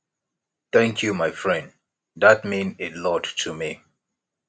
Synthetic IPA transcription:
t̪ɛ̃ŋkʰjumaɪfɹɛ̃nd | dat̚mĩnɪtlɔdtʰumi

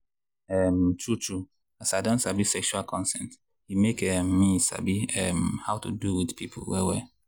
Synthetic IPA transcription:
ɛmtut͡ʃu | asajdõnsabisɛkʃualkʰɔ̃nsɛ̃nt | himekɛmːisa̰biɛmhaʊtṵduwidpipʰʊlwɛ̰wɛ

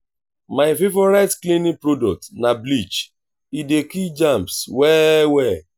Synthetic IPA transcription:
maɪfevɔɾaɪtklinipɾodɔk̚tnablit͡ʃ | idekid͡ʒãmpswɛwɛ

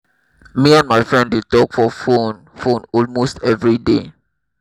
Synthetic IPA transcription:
miãnmaɪfɹɛ̃ndetɔkfɔfon | fõnɔlmostɛvɹide

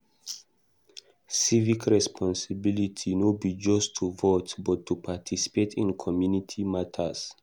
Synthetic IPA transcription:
sivikʰɹɛspʰɔ̃nsibilitʰinobid͡ʒɔstʰːuvotbɔtʰːupʰatʰisi̥petʰĩnkʰɔmjunitʰimatʰəs

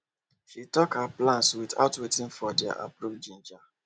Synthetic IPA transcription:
ʃitɔkhaplãnswiθa̰ʊtwetɪ̃nfɔdɛa̰ʔa̰pɾobd͡ʒĩnd͡ʒa

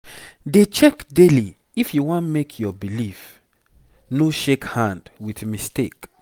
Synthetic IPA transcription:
det͡ʃɛkdeli | ifjuwɔ̃nmekʰjɔbilif | noʃekhãndwiθmistek

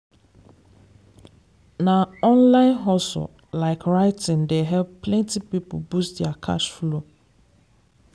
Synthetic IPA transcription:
nãɔ̃nlãɪ̃nɦɔsʊ̰ | laɪkʰɹaɪtʰɪ̃ndeɦɛlppʰlɛ̃ntʰipipʰʊ̰bustdɛakʰa̰ʃflo

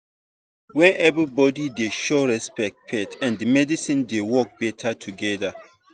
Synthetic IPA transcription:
wɛ̃nʔɛvɹibɔdideʃoɹɛspɛk̚pʰɛtʰɛ̃ndɨmɛdisĩndewɔk̚b̥ɛtʰatʰuɡɛða

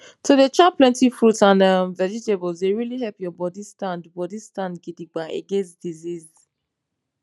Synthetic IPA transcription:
tʰudət͡ʃaplɛ̃ntifɹutãnamvɛd͡ʒitebɔlzdeɹiliɦɛlpjɔbɔdistãndbɔdistãndɡidiɡ͡baʔḛɡẽnsd̥iziz

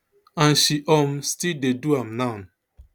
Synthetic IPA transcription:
ãnʃiʔɔm̩stildeduam̩nan

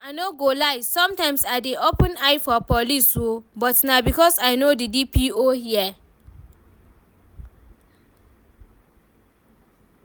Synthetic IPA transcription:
aɪnoɡolaɪsɔ̃mtãɪ̃msadiʔopə̃naɪfɔpɔliswobɔtnabikɔsaɪnodidipiohiɛ

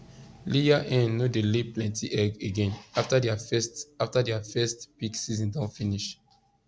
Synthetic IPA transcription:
lijaʔɛ̃nːodeleplɛ̃ntʰiʔɛɡeɡɛ̃naftadɛasaftadɛafɛstpiksizĩndãnfĩniʃ

